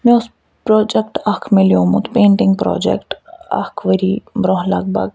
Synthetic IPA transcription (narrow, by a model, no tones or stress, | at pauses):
mɛ̃ʊs | pɾɔːd͡ʒɛkʈɐkʰmeljõːmũt̪ʰpẽːɳʈɪ̃ŋɡ̚pɾɔ̰ːd͡ʒɛ̰kʈɐ̰kʰʋəɾibɾɔ̃ːɦlɐɡ̚bɐ̰ɡ